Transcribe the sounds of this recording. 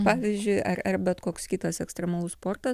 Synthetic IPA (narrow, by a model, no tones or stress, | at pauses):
pɑːʋʲiːzʲd͡ʒʲʊɪʔɐrɐrbʲɛt̪koːkskʲiːt̪ɐsɛkst̪ɾʲɛmɐlˠʊspoːrt̪ɐ